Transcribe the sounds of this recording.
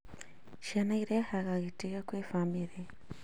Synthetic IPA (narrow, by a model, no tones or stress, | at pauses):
ʃenaiɾehaɣaɣitiɣakweːfamiɾe